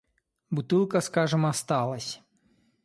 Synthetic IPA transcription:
but̪ɪlˠkɐskɑʐɨmɐst̪ɑlˠɐsʲ

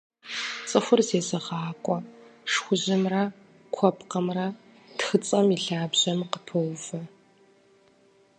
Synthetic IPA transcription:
t͡sʼɨxʷʊrzeːzɐʁɑːkʷʼɔʂxʷʊʑɪmrɐ | kʷʰɔpqɐmrɐ | txɨt͡sʼɐmiɬaːbʑɐmqəpʰɨwvɐ

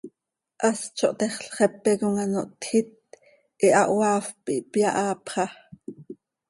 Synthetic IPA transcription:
ʔɑst͡ʃʰoʔt̪ɛχɬχɛpːɛkoŋɑnoʔt̪xit̪̚ | ʔiʔɑʔwɑːfpiʔpjɑʔɑːpχɑ

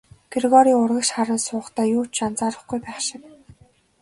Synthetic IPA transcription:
t̪ʰirɣɔɾiːʊrʁə̆kʃχaɾə̆ːnsʊːχt̪ʰæːjuːt͡ɕant͡saːɾə̆χɡujpæːχʃɪ̆k̚

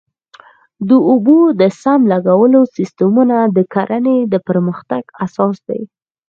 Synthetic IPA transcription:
d̪əubod̪əsamlaɡawəlosist̪əmunad̪əkaɾʔaned̪əpəɾməxt̪aɡ̥asɑsd̪a̰j

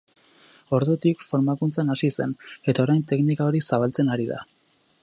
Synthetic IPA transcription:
o̞ɾðut̪ikfo̞ɾmakunt͡sanasise̞ne̞t̪ao̞ɾajnt̪e̞knikao̞ɾisaβ̞alt͡se̞naɾiða̰

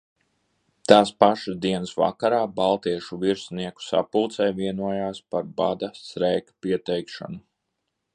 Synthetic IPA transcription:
t̪aːspaʃazd̪iɛnsva̰kaɾaːbalˠt̪iɛʃuviɾsniɛku̥sa̰pulˠt̪sɛjviɛnuɔjaːspaɾbad̪asɾɛjkpiɛt̪ɛjkʃa̰nu

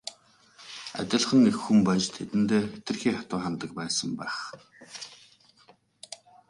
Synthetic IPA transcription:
a̰t̪ʲɪ̆ɮχə̆ŋexːumpæt͡ɕt̪ʰet̪ɘ̆nt̪eːet̪ɘ̆rxiːχat̪ʊːχant̪ə̆k̚pæːsə̆mpæ̰ːχ

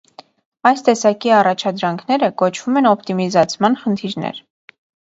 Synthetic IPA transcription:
ɑjst̪ɛsɑkiɑrɑt͡ʃʰɑd̪ɾɑŋkʰnɛɾəkɔt͡ʃʰv̥umɛnɔpʰt̪imizɑt͡sʰmɑnχənt̪ʰiɾnɛ̰ɾ

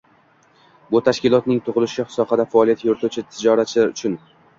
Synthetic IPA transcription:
bʊt̪ʰaʃkʲɪlˠɒt̪nɪŋt̪ʰʊʁɨlˠɪʃɪhsɒqɑd̪afaːlˠijat̪joɾt̪ʰut͡ʃʰɪt̪ʰɪd͡ʒɒɾat͡ʃʰɪlaɾʊt͡ʃʰʊn

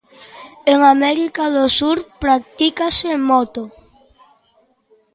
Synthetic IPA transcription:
eŋamɛɾikaðosuɾpɾak̚t̪ikasemɔt̪o

